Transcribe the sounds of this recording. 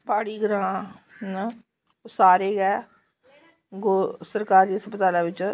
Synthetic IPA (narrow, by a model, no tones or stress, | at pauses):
paːɽiːɡəɾãː | osaːɾeːɡɛː | ɡosəɾkaːɾd͡ʒiːsəpət̪aːlaːʋɪt͡ʃ